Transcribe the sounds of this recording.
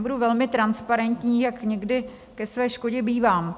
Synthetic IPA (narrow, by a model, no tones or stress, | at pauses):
buduvɛlmɪt̪ɾanspaɾɛnt̪ɲiːjakɲɛɡdɪ | kɛsvɛːʃko̞ɟɛbiːvaːm